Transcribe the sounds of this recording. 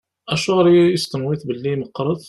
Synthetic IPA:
ʔæʃʊɣɾjəst̪əmwit̪bəlːiməqɾˤəd̪

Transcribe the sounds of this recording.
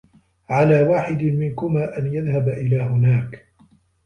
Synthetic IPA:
ʕalaːwaːħɪd̪mɪnkʊmaːʔanjaðhabaʔɪlaːɦʊnaːk

